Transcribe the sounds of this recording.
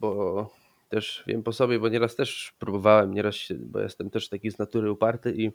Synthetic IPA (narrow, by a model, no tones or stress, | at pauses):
bɔ | t̪ɛʂvʲjɛ̰mpɔsɔbʲjɛbɔɲɛɾast̪ɛʂpɾubɔvawɛmɲɛɾasɕɛ̰bɔ̰jɛ̰st̪ɛmt̪ɛʂt̪akʲiznat̪uɾɘupaɾt̪ɘʔi